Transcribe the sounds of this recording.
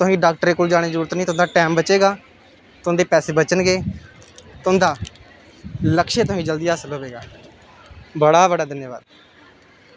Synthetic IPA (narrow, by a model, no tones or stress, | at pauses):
t̪ʊɦãːiɖaːk̚ʈəɾeːkoːld͡ʒaːɽ̃eːzəɾuːɾət̪nĩːt̪ʊ̃ːd̪aːʈɛːmbət͡ʃeːɡaː | t̪ʊ̃nd̪eːpɛːseːbət͡ʃənɡeː | t̪ːnd̪aː | ləkʃẽːt̪ʊɦid͡ʒəld̪iːaːsəloʋeːɡaː | bəɽaːbəɽaːd̪ənjəʋa̰ːd̪